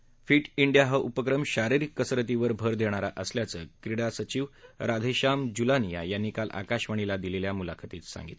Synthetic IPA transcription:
fiːʈiɳɖijaɦəʔupəkɾəmɕaɾiɾikːəsɾət̪̬iʋəɾbʱəɾd̪ʱeɽ̃aɾa̰ʔəsljat͡səːkɾiɽasət͡ɕiːʋɾad̪ʱeɕamd͡ʑulanija̰janːikalʔa̰kaɕʋaɳ̃ilad̪ileljamula̰kʰat̪iːt̪sa̰ŋɡḭt̪

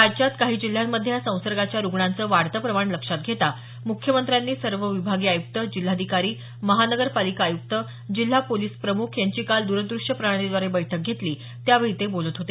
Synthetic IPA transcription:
ad͡ʑt͡ɕat̪kaɦiːd͡ʑil̤ːjamːəd̪ʱːjasə̃w̃səɾɡat͡ɕjaɾuɡɳant͡səːʋaɽt̪əpɾəmaɽ̃ləkʂat̪̚ɡʱet̪a | mukʰjəmənt̪ɾjanːiːsəɾʋəʋibʱaɡiːajuk̚t̪əd͡ʑil̤ːad̪ʱikaɾiː | məɦanəɡəɾpalikaːjuk̚t̪ə | d͡ʑil̤ːapoliːspɾəmukʰjaɲt͡ɕiːkald̪uɾəd̪ɾuʂəpɾəaɽ̃ed̪ʋaɾebəjʈʰək̚ɡʱet̪liː | t̪jaʋəɭit̪ebolət̪ɦot̪e

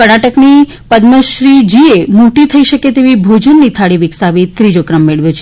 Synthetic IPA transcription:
kəɽ̃aʈəkni | pəd̪məʃɾid͡ʒiemuʈit̪ʰəiʃəket̪eʋibʱod͡ʒənːit̪ʰaɽiʋɪksaʋit̪ɾid͡ʒokɾəmːeɭʋjot͡ʃʰe̥

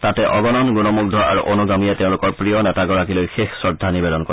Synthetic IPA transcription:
tatɛʔɔɡɔnɔnɡunɔmuɡ̚dʱɔa̰ɹṵʔonuɡamijateʊ̃lʊkɔɹpɹijɔnɛtaɡɔɹakilojxexsɔdʱːanibɛdɔnko

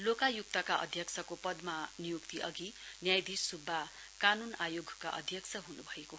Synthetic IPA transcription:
lokajuk̚t̪ʌkaʔʌ̰d̪ʱjʌkt͡sʰʌkopʌd̪manijukt̪iʔʌɡinjajd̪isubʱːa | kanunajoɡʱkaʔʌ̰d̪ʱjʌksʰʌɦunubʱʌeko

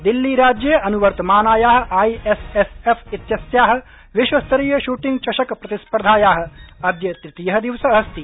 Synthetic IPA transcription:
d̪ilːiɾaːd͡ʒjeʔɐnuʋɐɾt̪ɐmaːnaːjaːɦɐ̆ʔaːiesesefit̪jɐsjaːɦɐ̆ | ʋiʃwɐst̪ɐɾiːjɐʃuːʈiŋɡt͡ʃɐʃɐkpɾɐt̪ispɾd̪ʱaːjaːɦɐ̆ɐd̪jɐt̪ɾɪt̪ijɐɦɐ̆d̪iʋsɐɐst̪i

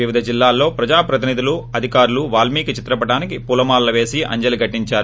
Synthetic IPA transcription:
ʋiʋid̪ʱɐd͡ʒilːaːlːo̞ːpɾɐd͡ʒaːpɾɐt̪inid̪uluɐd̪ʱikaːɾuluʋaːlmiːkit͡ʃit̪ɾɐpɐʈaːnikipulɐmaːllɐʋe̞ːsiʔɐ̰ɲd͡ʒɐliɡɐʈːiɲt͡ʃaːɾu

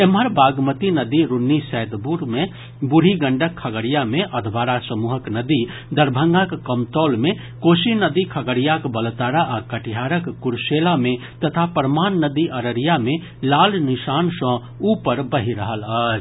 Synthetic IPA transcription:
eməɾbaːɡmət̪inəd̪iɾʊnːisɛːd̪buɾmẽ | bʊɽ̤iɡə̃ɳɖəkʰːəɡəɽijamẽʔɐd̪ʱbaːɾasəmuːɦəknɐd̪i | d̪əɾbʱə̃ŋɡakːəmt̪ɔːlmẽ | koːsinəd̪ikʰɐɡəɽijakbəlt̪aːɾaʔakəʈiɦaːɾəkːʊɾseːlamẽ | t̪ət̪ʰapəɾmaːnːəd̪iʔɐɾəɾijamẽ | laːlnɪʃaːnsə̃ | uːpəɾbəɦiɾəɦələt͡ʃ

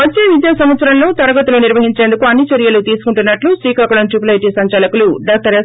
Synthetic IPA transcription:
ʋɐt͡ʃːeːʋid̪jaːsɐmʋɐt̪sɐɾɐnlo̞ːt̪ɐɾɐɡɐt̪uloniɾʋɐɦiɲt͡ʃe̞ːnd̪ukuɐnːit͡ʃɐɾjɐlut̪iːsu̥kuɳʈunːɐʈlusʋiːkaːkuɽɐnʈup̬lɐjʈisɐɲt͡ʃaːlɐkuluɖaːk̚ʈɐɾe

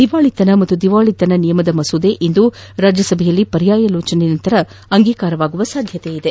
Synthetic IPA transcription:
d̪̥iʋaːɭit̪ɐnɐmɐt̪ːud̪iʋaːɭit̪ɐnɐnijɐmɐd̪ɐmɐsud̪eʔind̪uɾaːd͡ʒjɐsɐbʱɛjɐlːipɐɾjaːjɐloːt͡ʃɐnenɐnt̪ɐɾɐ | ɐŋɡiːkaːɾɐʋaːɡuʋɐsaːd̪ʱjɐt̪eid̪e

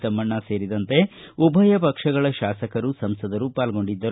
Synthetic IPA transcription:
sɐmːɐɳːɐse̞ːɾid̪ɐnt̪e̞ubʱɐjɐpɐkʂɐɡɐɭɐʃaːsɐkɐɾusɐmsɐd̪ɐɾupaːlɡo̞ɳɖid̪ːɐɾ

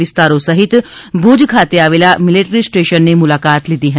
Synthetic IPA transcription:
ɪst̪aːɾõsɐɦɪt̪bʱud͡ʒkʰaːt̪eaːʋeːlamɪliʈɾisʈeːʃənːemʊlaːkaːt̪lid̪iɦə̃

